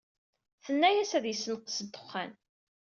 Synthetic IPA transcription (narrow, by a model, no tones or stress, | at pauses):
θənːæjæsæðjəsːənqːsəd̪ə̥χːæ̰n